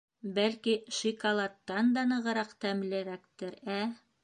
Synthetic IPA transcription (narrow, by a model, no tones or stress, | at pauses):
bælkiʃikɑlˠɑt̪ːɑnd̪ɑnɤ̆ʁɤ̆ɾɑqt̪æmlɘ̆ɾækt̪ɘɾæ